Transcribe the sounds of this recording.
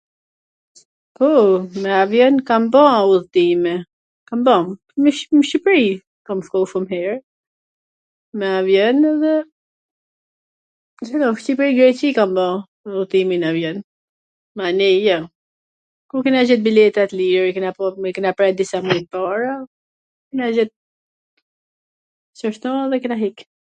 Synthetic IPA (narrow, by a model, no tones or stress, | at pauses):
pɔmɛavjɛnkambɔ̃uðt̪imɛ | kambɔ | məʃmʃipɾi | kamfkɔʃumɦɛɹ | mɛavjɛnðɛ | zɛlɔʃcipɾiɡɾɛt͡ʃikambɔ̃ | ut̪iminavjɛn | manijɔ | kuɾkinad͡ʒɛt̪̚bilɛt̪ɛt̪liɾkənapɔkinapɾɛd̪isamupaɾa | kinad͡ʒɛt̪̚ | səʃt̪ɔðɛkinaɦik